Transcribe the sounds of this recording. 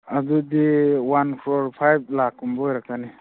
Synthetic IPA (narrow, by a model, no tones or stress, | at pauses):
ad̪ud̪iwankʰɾoɾpʰajb̚lakumbɔjɾakani